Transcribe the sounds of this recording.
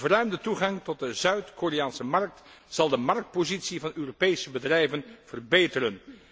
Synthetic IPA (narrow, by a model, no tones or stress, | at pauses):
vərœɥmdətuχɑŋtɔt̚dəzœɥtkorejaːnsəmɑrk̚t | z̥ɑlˠdəmɑrk̚t̚pozitsivɑnøːropejsəbədrɛjvənv̥ərbejtərən